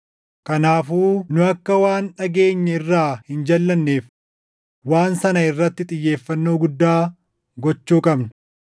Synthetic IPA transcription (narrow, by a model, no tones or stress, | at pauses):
kɐnaːfuːnʊɐkːɐwaːnᶑɐɡe̞ːɲːɐɪrːaːhɪnd͡ʒɐlːɐnːeːf | waːnsɐnɐɪrːɐt̪ːɪt̪ʼɪjːe̞ːfːɐnːo̞ːɡʊd̪ːaː | ɡɔt͡ʃːuːkʼɐbnɐ̥